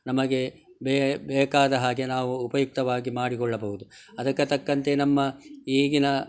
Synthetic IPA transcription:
nɐmɐɡe̞ | bbɛːkaːd̪ɐɦaːɡe̞naːʋuːpɐjuk̚t̪ɐʋaːɡimaːɽikɔɭːɐbɐɦud̪u | ɐd̪ɐkːɐt̪ɐkːɐnt̪enɐmːɐiːɡinɐ

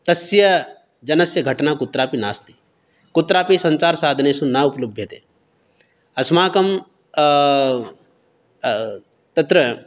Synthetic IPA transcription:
t̪ɐsjɐ | d͡ʒɐnɐsjɐɡʱɐʈnakʊt̪ɾaːpinaːst̪i̥ | kut̪ɾaːpisɐ̃ɲt͡ʃaːɾsaːd̪ʱɐneːsunauplɐbʱjɐt̪ḛː | ɐsmaːkɐm | t̪ɐt̪ɾɐ

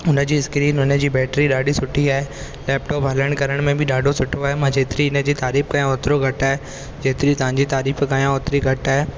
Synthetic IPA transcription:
ʊnə̆d͡ʑiːɪskɾiːnʊnəd͡ʑiːbɛːʈɾiɗaːɖʱisʊʈʰiae | lɛːpʈɔːpɦɐləɽ̃kɐɾəɽ̃mẽbʱɪɗaːɖʱosʊʈʰoaɦemãd͡ʑeːt̪ɾiɪnəd͡ʑiːt̪aːɾiːfkajãoːt̪ɾoɡʱɐʈae | d͡ʑeːt̪ɪɾit̪ɐɦãɲd͡ʑit̪aːɾiːfkajãoːt̪ɾiɡʱɐʈae

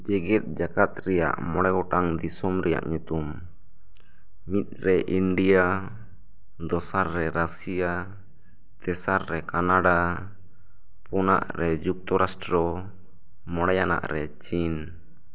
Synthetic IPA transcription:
d͡ʒɛɡɛt̪̚d͡ʒakat̪̚ɾɛja̰ʔmɔɽɛɡɔʈaŋd̪isɔmɾɛja̰ʔɲut̪um | it̪̚ɾɛʔiɳɖija | d̪ɔsaɾːɛɾasija | t̪ɛsaɾːɛkanaɖa | pɔna̰ʔɾɛd͡ʒuk̚t̪ɔɾasʈɾɔ | mɔɽɛjana̰ʔɾɛt͡ʃin

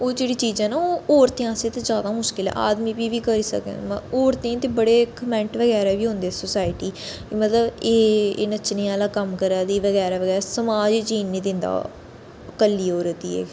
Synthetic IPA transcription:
oːd͡ʒeːɽiːt͡ʃiːd͡ʒãːnãːɔːɾt̪ẽãːsẽːt̪eːd͡ʒjaːd̪aːmʊʃkɪlɛ̰̃ʔa̰ːd̪miːbiːʋiːkəɾiːsə̰k̪ːoːɾt̪ẽãt̪eːbəɽeːkəmɛ̃ɳʈʋəɡɛːɾɛːʋiːɦʊ̃nd̪eːsoːsaːɪʈiː | mət̪ləbḛːnət͡ʃneːaːlaːkəmkəɾaːd̪iːʋəɡɛːɾaːʋəɡɛːɾasəmaːd͡ʒt͡ʃiːnːiːd̪ɪ̃nd̪a̰ː | əkəlːiːoːɾət̪ḭːɛ̰ː

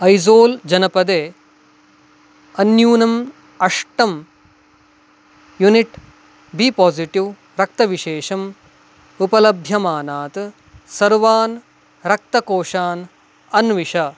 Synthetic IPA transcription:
ɐjzoːld͡ʒɐnɐpɐd̪eː | ɐnjuːnɐm | ɐʂʈɐm | juniʈ | bipɔːziʈiʋ | ɾɐk̚t̪ɐʋiʃeːʃɐm | upɐlɐbʱjɐmaːnaːt̪ | sɐɾʋaːn | ɾɐk̚t̪ɐkoːʂaːn | ɐnʋiʃɐ

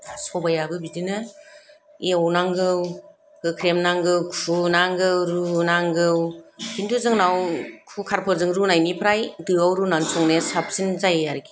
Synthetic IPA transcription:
sɔbajabɯbidinɯ | eɔwnaŋɡɯw | hɯkʰɾemnaŋɡɯwkʰunaŋɡɯwɾunaŋɡɯwkʰindʰuzɯŋnawkʰukʰaɾpʰɯɾzɯŋɾunajnipʰɾajdɯawɾunansuŋnesap̚sinzajaɾɡi

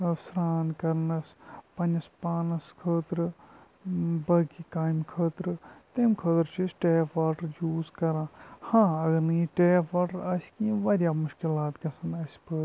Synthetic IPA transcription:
sɾaːnkɐɾnɐspɐnʲɐspaːnɐskʰəːt̪ɾɨ | bɐɡikaːjmkʰəːt̪ɾɨt̪ɐːmkʰəːt̪ɾt͡ʃʰisʈeːpaːʈɐɾjuːzkɐɾãːhãːɐɡɐɾnɐiʈeːpɐʈɾɐsʲkĩːʋɐɾʲjaːmʊʃkilaːt̪ɡɐsɐnɐsʲpəːɾ

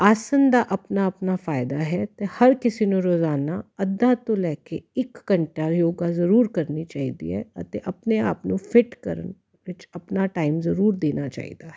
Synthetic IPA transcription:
aːsənd̪aʔɐpnaɐpnafaːɪd̪aɦɛt̪ehɐɾkɪsinũɾoːzaːnaɐd̪ːat̪olɛːkeɪkːɐ̃ɳʈaɾjoːɡazɐɾuːɾkɐɾnit͡ʃaːɦid̪ḭɦɛ̰ɐt̪eʔɐpnea̰ːpnufʰɪʈkɐ̰ɾə̰n | ʋɪt͡ʃɐpnaʈaːɪmzɐɾuːɾd̪eːnat͡ʃa̰ːḭːd̪aɦɛ

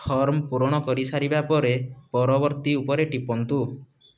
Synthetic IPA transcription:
hʰɔɾmɔpuɾɔɽ̃ɔkɔɾisaɾibapɔɾepɔɾɔbɔɾt̪iupɔɾeʈipɔnt̪u

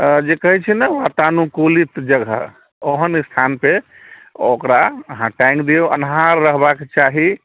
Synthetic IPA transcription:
d͡ʒekəɦit͡ʃʰɛnɛʋat̪anukolit̪d͡ʒəɡʱə̰ | oɦənst̪ʰanpe | okɾaəɦãʈãjŋkd̪eoʔə̰nɦaɾːəɦbaket͡ʃaɦi

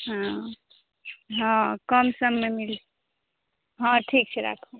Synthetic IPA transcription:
ɦã | ɦãkəmsəmːemil | ɦãʈʰik̚t͡ʃʰɛɾa̰kʰu

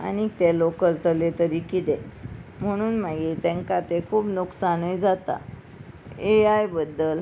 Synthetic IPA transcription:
a̰nikt̪elokəɾt̪əlet̪əɾikit̪em̤əɽ̃uːnmaɡit̪ɛ̃ŋkat̪ekʰuːpnuksanujd͡zat̪a̰ | eajbəd̪ːəl

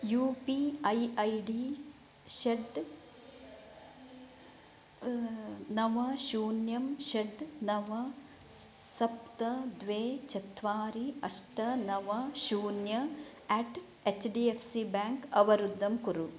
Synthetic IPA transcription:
juːpiɐjɐjɖi | ʃeɖ | nɐʋɐʃuːnjɐmʃɐɖnɐʋɐ | sɐp̚t̪ɐd̪ʋeːt͡ʃɐt̪ʋaːɾiɐsʈɐnɐʋɐʃuːnjɐ | ɛːʈ | et͡ʃɖiefʰsibaːŋkɐʋɐɾud̪ːɐmkuɾu

